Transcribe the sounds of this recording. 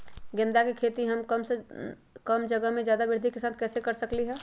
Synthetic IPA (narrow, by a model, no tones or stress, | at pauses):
ɡẽnd̪akekʰeːt̪iɦəmkəmse | kəmd͡ʒəɡəɦmẽd͡ʒjaːd̪abɪɾd̪ʱikesaːt̪̚ʰkɛːsekəɾsəkliɦɛː